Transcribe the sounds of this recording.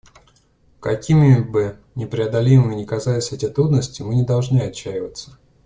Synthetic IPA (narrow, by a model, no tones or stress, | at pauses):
kɐkʲʰimʲɪbɨ | nʲɪpɾʲɪɐd̪ɐlʲimɨɪnʲɪkɐzalʲɪsʲɛtʲɪt̪ɾud̪nəsʲtʲɪmɨnʲɪd̪ɐlˠʐnɨɐt͡ɕːæjɪvət̪sə̥